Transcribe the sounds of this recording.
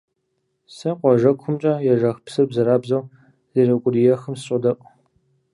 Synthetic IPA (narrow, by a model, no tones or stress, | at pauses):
sɐqʷɔʒɐkʷʰʊmt͡ʃʼɐjɛʒɐxpsɨrbzɐɾaːbzɐw | z̥irɐkʷʼʊrijɛxɨmsɕʼɐdɐʔʷʼ